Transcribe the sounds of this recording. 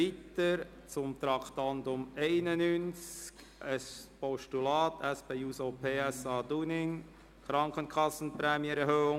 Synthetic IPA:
itəɾ | t͡sʊmt̪ɾɑktɑndʊmeɪnənynt͡sk | əspɔʃtulɑːtʰɛspeːuːsopʰeːɛsɑːduːnɪŋ | kʰɾɑŋkənkʰɑsn̩pɾɛːmjəɛɾhøːʊŋ

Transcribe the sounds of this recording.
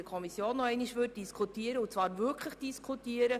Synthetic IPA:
əkʰɔmisjoːnːɔɛɪniʃʋʏt̚d̥iskʰutiːəɾəʊt͡svɑːɾvʏkχləχd̥iskʰutiːəɾə

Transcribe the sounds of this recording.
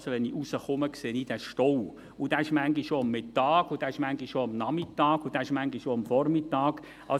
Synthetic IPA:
soʋɛniʔusəχʊməkseːnid̥æʃtɔw | ʊd̥æɪʃmæŋɡiʃoɑmːɪtːɑːɡ̥ʊd̥æɪʃmæŋɡiʃoɑmnɑmitːɑːɡ̥ʊd̥æɪʃmæŋɡiʃoɑmfɔrmɪtːɑːɡ | ʔɑ̰

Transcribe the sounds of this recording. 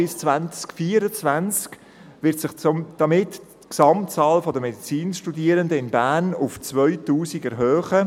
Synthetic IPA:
ɪst͡svænt͡skfiəɾət͡svænt͡sk | ʋɪɾtsɪχt͡smd̥ɑmɪt | ksɑmt͡sɑːlfɔdəmɛdit͡siːnʃtudiəɾəndəɪnbæːnʊft͡svœʏtuːsiɡɛɾɦœːχə

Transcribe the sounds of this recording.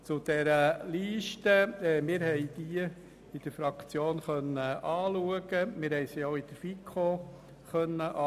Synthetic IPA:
t͡sʊd̪̥ɛɾəliːʃtəmɪːɾhɛjd̪̥iə | id̥̪əɾfɾɑkt͡sjoːnχœnːəɑːluəɡəmɪːɾɦɛɪsioʊid̥əɾfikʰo | χœnːəʔɑ

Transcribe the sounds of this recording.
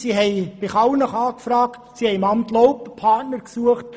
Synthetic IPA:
siɦɛɪb̥ɪχɑwnəχɑːkfɾɑːktsihɛɪmɑmtlowppʰɑtnəɾksuəχt

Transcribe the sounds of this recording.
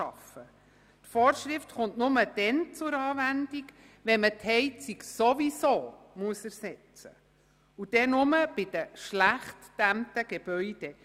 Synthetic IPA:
ɑfə | tfɔːɾʃɾɪftχʊntnʊməd̥ɛnt͡sʊɾɑːvændik | ʋɛnməthɛɪt͡siksovisoː | muəsəɾsɛt͡sə̰ | ud̥ɛnʊməb̥ɪd̥əʃlæχtd̥æmtəɡ̥eb̥œʏd̥ɛ

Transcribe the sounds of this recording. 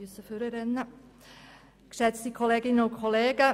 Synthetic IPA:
ʉsəføːɾəɾɛnːə | kɾɛd̪sikʰɔleɡɪnoːkʰɔleːɡə

